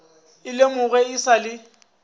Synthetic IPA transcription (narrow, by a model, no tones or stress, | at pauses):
ɪlemʊɣɛɪsalɪ